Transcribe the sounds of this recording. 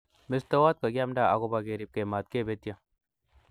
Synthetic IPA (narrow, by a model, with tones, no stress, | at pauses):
mɪst̪o˦waː˦t̪̚ka˨ɡʲja˦mɖa˦˨a˨ɡo˦baɡe˨ɾi˨p̚ke˨maː˨t̪̚ke˦be˦t̪ija˨